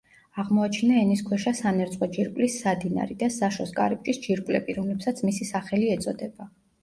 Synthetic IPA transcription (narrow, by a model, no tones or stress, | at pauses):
aʁmɔat͡ʃʰinaɛniskʰwɛʃasanɛɾt̪sʼqʼɔd͡ʒiɾkʼlisːad̪ina̰ɾid̪asaʃɔskʼa̰ɾip̚t͡ʃʼisd͡ʒiɾkʼlɛ̰biɾɔmlɛpsat̪sʰmisisaχɛliɛt̪sʼɔd̪ɛb̥a